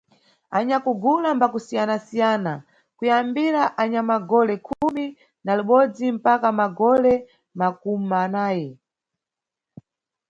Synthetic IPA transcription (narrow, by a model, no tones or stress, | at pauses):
aɲakuɡulambakusijanasijaːna | kujambiɾaʔaɲamaɡɔlɛkʰumi | naluɓɔd͡zim̩pakamaɡɔlɛ | mak̚ummanaːjɛ